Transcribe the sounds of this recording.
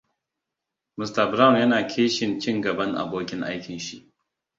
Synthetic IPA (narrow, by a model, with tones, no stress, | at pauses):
mʊ˨stɐ˨bɾa˦wnjɐ˦naː˨kʲʰeː˦ʃɪ˨nt͡ʃɪ˦ŋɡɐ˨bɐ˦ŋʔa̰˨boː˦kʲɪ˦ŋʔa̰˦jkʲɪ˨nʃi˦˨ʔ